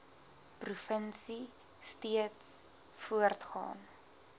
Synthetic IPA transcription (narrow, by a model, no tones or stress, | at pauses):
prufənsi | stiəts | fuərtχɑ̰ːn